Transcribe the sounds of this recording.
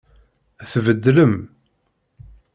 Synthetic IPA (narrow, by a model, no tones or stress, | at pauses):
æθvəd̪ːləm